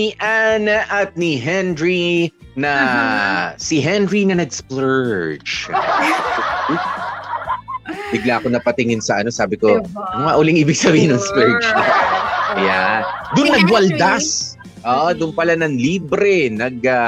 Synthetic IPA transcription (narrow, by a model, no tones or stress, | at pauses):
niʔanaʔɐt̪̚niɦɛnɹi | nɐ | sɪɦɛnɹinɐnɐɡsplɛɹd͡ʒ | bɪɡlaʔɐko̞nɐpɐt̪ɪŋɪnsɐʔɐno̞saːbɪko̞nʊŋaʔʊːlɪŋʔiːbɪɡ̚sɐbiːhɪnːɐŋsplɛɹd͡ʒ | jad̪ʊnːɐɡwɐld̪as | ʔoːʔd̪ʊnpɐlanɐŋliːbɾɛnɐɡ̚a